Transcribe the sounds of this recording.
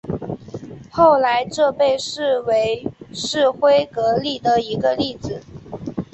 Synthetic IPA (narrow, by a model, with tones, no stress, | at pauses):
xo˥˩ʊla˧˥ɪʈ͡ʂɤ˥˧pe˥˧ɪʂɻ̩˥˩we˧˥ɪʂɻ̩˥˩xwe˥ɪkɤ˧˥li˥˩d̪ə˩i˧˥ɡə˧li˥˩d͡zɹ̩˩˦